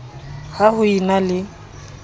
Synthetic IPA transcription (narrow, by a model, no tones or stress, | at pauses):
hahʊinalɪ